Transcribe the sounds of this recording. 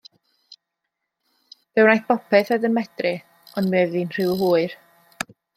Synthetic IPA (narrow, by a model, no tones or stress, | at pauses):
v̥ɛwnajθb̥ɔpʰɛθɛdənmɛdrɪ | ɔndmɛːðinr̥ɪwhuːɨr